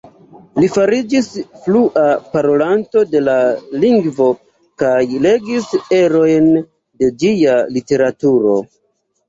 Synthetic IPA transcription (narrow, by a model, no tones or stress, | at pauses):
lifaɾid͡ʒisfluʔapaɾo̞lanto̞de̞laliŋɡvo̞ | kajle̞ɡise̞ɾo̞jn | de̞d͡ʒialite̞ɾatuɾo̞̰